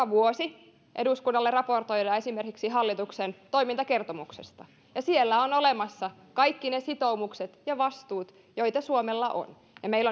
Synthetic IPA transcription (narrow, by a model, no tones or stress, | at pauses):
ɑʋuosi | ʔḛduskunːɑlːerɑport̪o̞jdɑːesimerkiksiɦɑlːit̪uksent̪o̞imint̪ɑkert̪omuksest̪ɑ | jɑsielːæonolemɑsːɑ | kɑjkːinesit̪oumukset̪jɑʋɑst̪uːt̪ | joit̪ɑsuomelːɑʔo̰n | jɑmeilːo